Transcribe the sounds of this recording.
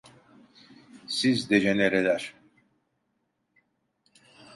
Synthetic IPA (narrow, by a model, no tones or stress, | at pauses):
sizd̪eʒeneɾelʲæɾ̥